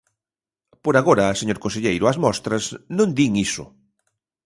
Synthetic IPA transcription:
poɾaɣoɾɐːseɲoɾkonseʎejɾʊazmɔst̪ɾɐsnõnd̪iŋisʊ̰

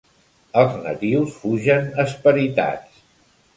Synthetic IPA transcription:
əlˠznə̰t̪iwsfuʒənəspəɾit̪a̰t͡s

